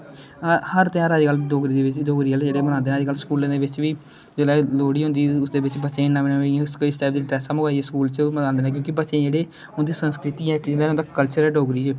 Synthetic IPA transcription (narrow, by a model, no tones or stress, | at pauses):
həɾt̪ɪjãːɾəd͡ʒɡəlɖoːɡɾiːd̪eːʋɪt͡ʃɖoːɡɾiːəld͡ʒeːɽeːmənãːnd̪eːɛ̃əd͡ʒɡəlskuːlẽd̪eːʋɪt͡ʃʋiː | d͡ʒolɛːloːɽiːɦʊ̃nd̪iːʊsd̪eːbɪt͡ʃbətːʃẽːnːaːenãẽskoisʈɛːp̚d̪iːɖɾɛːsãːməɡaːieːskuːlt͡ʃməãːnd̪eːnɛ̃ːkjõːkibətːʃẽːd͡ʒeːɽeː | ʊnd̪iːsənskɾɪt̪iːɛːkd͡ʒɪ̃nd̪eːnd̪aːkkəlt͡ʃəɾɛːɖoːɡɾiːt͡ʃ